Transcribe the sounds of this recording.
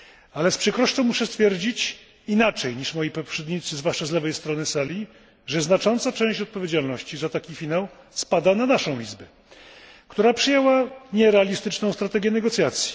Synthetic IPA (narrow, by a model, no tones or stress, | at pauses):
alɛspʂɛkɾɔʂt͡ʂɔ̃w̃muʂɛst̪fʲjɛɾd͡ʑit͡ɕ | inat͡ʂɛjɲiʂmɔjipɔpʂɛd̪ɲit̪sɘzvwaʂt͡ʂazlɛvɛjst̪ɾɔnɘsalʲi | ʐɛznat͡ʂɔnt̪sat͡ʂɛ̃w̃ɕt͡ɕɔt̪̚pɔvʲjed͡ʑalnɔɕt͡ɕizat̪akʲifʲinaw | spad̪ananaʂɔ̃w̃ʲḭzbɛ | kt̪uɾapʂɘjɛwaɲɛɾɛalʲist̪ɘt͡ʂnɔ̃w̃st̪ɾat̪ɛɡʲjɛnɛɡɔt̪sʲjat̪sʲji̥